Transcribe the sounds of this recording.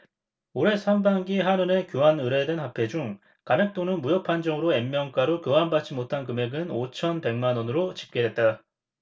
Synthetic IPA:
oɾe̞sʰambaŋɡiɦanɯne̞kjoɦanɯɾe̞dwe̞nɦapʰe̞d͡ʑuŋ | kamek̚t͈onɯnmujʌpʰand͡ʑʌŋɯɾoe̞mːjʌŋk͈aɾokɯɦanbat͡ɕ͈imotʰankɯme̞ɡɯnot͡ɕʰʌnpe̞ŋmanʌnɯɾot͡ɕi̥p̚k͈edwe̞t̚t͈a

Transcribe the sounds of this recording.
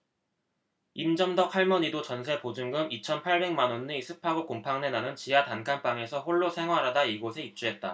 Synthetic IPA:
imd͡ʑʌmdʌk̚haɭmʌɲidot͡ɕʌnsʰe̞pod͡ʑuŋɡɯmit͡ɕʰʌnpʰaɭbe̞ŋmanonːisʰɯpʰaɡokompʰaŋne̞nanɯnt͡ɕijatankʰanp͈aŋe̞sʰʌɸoɭːosʰe̞ŋɦwaɾadaiɡosʰe̞ip̚t͡ɕ͈uɦe̞t̚t͈a

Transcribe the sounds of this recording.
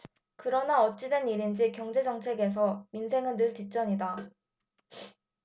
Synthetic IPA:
kɯɾʌnaʌt͡ɕ͈idwe̞niɾind͡ʑikjʌŋd͡ʑe̞d͡ʑʌŋt͡ɕʰe̞ɡe̞s̬ʰʌminsʰe̞ŋɯnnɯɭtit͡ɕ͈ʌɲida

